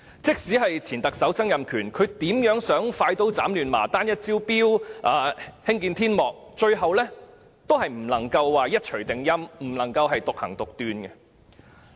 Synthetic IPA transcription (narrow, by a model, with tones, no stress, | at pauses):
t͡sɪ˥k̚siː˨˥ɦɐ˨jt͡sʰiː˨˩nt̪ɐ˨k̚sɐ˨˥wt͡sɐ˥ŋjɐ˨mkʰyː˨˩nkʰɵ˨˧ɥt̪iː˨˥mjœː˨˥ŋsœː˨˥ŋfaː˧jt̪o˧˥wt͡sa̰ː˨˥mlyː˨nma̰ː˨˩t̪aː˥njɐ˥t̚t͡siː˥wpiː˥wʔaː˨˩hɪ˥ŋkiː˧nt̪ʰiː˥nmɔː˨k̚t͡ʃɵ˧ɥɦɐ˨wlɛː˥ | t̪o˥wɦɐ˨jm̩˨˩lɐ˨˩ŋkɐ˧wːaː˨jɐ˥t̚t͡ʃʰɵ˨˩ɥt̪ɪ˨ŋjɐ˥mm̩˨˩lɐ˨˩ŋkɐ˧wɦɐ˨jt̪ʊ˨k̚hɐ̰˨˩ŋt̪ʊ˨k̚t̪yː˨nkɛ˧